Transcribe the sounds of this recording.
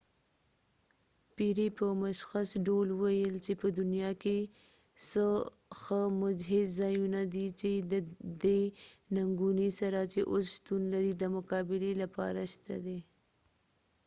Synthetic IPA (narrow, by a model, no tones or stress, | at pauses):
piɾepəmaʃxasɖolwajəlt͡ʃepəd̪ʊnijɑke | sə | xəmʊd͡ʒɦɪzzɑjunad̪it͡ʃed̪əd̪enaŋɡunisaɾat͡ʃeʔosʃt̪unlaɾid̪əmʊkɑbɪlelapɑ̰ɾaʃt̪a̰d̪e